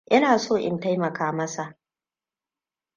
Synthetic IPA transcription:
ʔɪ˦naː˨soː˦˨ʔɪ̰˨nta˦jmɐ˨kaː˦mɐ˦sa˨ʔ

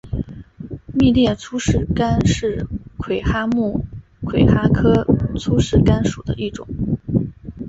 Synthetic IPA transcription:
mi˥˧ljɛ˥˩t͡sʰu˥ʂɻ̩˥˩ka˥nʂɻ̩˥˩kʰwe˨˩ɪxa˥mu˥˩ | kʰwe˨˩ɪxa˥kʰɤ˥t͡sʰu˥ʂɻ̩˥˩ka˥nʂu˨˩d̪ə̰˦ʔi˥˩ʈ͡ʂʊ̰˨˩˦ŋ

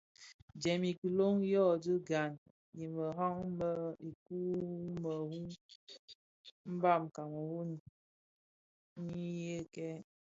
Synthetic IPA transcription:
d͡ʒɛ˨mi˨ki˨lo˦ŋ˦jɔ˦˨dɨ˦ɡa˨n | ji˨mə˨ɦɔ˦ŋmə˦i˨ku˦mə˨hu˦ | m̩˦ba˦˨m˨ka˨mə˨hu˦n˨ | ŋ̩˦i˦je˦kɛ˦

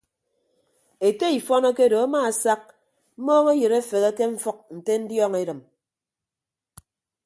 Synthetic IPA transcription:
e˨te˦i˨fɔ˦nɔ˦ke˦do˨a˦ma˦˨sa˦k̚ | m̩˦mɔː˦ŋe˦jɨ˨ɾe˦fe˨ɣe˦ke˦ɱ̩˦fɔ˦k̚n̩˨te˦n̩˦djɔː˦ŋe˦ɾɨ˨m

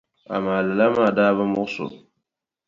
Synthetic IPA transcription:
a̰˨maː˨lɨ˨la˦maː˦˨daː˦βɨ˦mʊ˦ʔsʊ̰˨

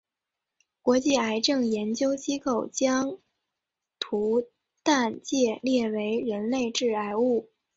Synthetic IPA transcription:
kwɔ˧˥t͡ɕi˥˩a˧˥ɪʈ͡ʂɤ˥˩ŋjɛ˧˥nt͡ɕjo˥ʊt͡ɕi˥ko˥˩ʊt͡ɕjɑ˥ŋ | t̪ʰu˧˥ | t̪a˥˧nt͡ɕjɛ˥˧ljɛ˥˩we˧˥ɪɻə˧˥nle˥˧ɪʈ͡ʂɻ̩˥˩a˧˥ɪu˥˩

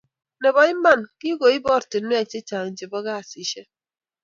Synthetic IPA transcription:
ne˨bɔ˨i˦ma˦˨nki˦ɡo˨i˦bɔ˦ɾtɪ˨˦e˦e˨t͡ʃi˦t͡ʃa˨ŋ̩˨d͡ʒe˨bɔ˦ɡa˦a˨si˨ʃe˦

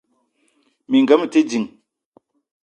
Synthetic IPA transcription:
mi˨ŋɡə˦m˨te˦d͡ʒi˨ŋ

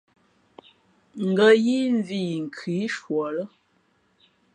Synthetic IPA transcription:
ŋ̩˨ɡə˦˨ji˦n˦vi˦˨ŋ̩˨kʰi˨˦ʃwɔ˨lə˦

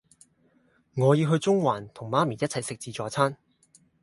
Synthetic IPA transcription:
ŋɔː˨˧jiː˧wɦɵ˧ɥt͡sʊ˥ŋwaː˨˩nt̪ʰʊ˨˩ŋmaː˥miː˨˩jɐ˥t̚t͡sʰɐ˨jsɪ˨k̚t͡siː˨˧t͡ʃɔː˨˧t͡sʰaː˥n

